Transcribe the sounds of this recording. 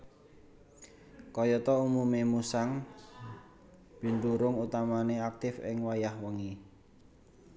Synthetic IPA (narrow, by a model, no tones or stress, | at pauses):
kɔjɔt̪ɔumumemusaŋ | b̥i̤nd̪uɾʊŋut̪amaneak̚t̪ɪfɪ̰ŋwajahwəŋi